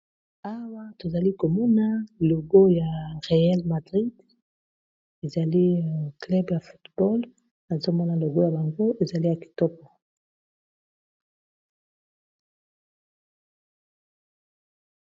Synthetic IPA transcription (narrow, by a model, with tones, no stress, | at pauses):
a˦wa˦to˨za˨li˦ko˨mɔ˦na˦lo˨ɡo˦ja˨ʁe˨a˦lma˨dʁi˦d | e˨za˨li˦˨klɛ˦bja˨fu˨tbɔ˦l | a˨zo˦mɔ˦na˨lo˨ɡo˦ja˨ba˨ŋɡo˦ʔe˨za˨li˦ja˨ki̥˨to˦pɔ˨